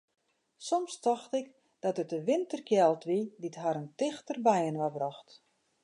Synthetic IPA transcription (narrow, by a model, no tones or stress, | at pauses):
sɔmstɔxtɪk | d̥ɔtətəʋɪntərkjɛlˠtʋiditɦaɾəntɪxtərbɛjənʋabrɔxt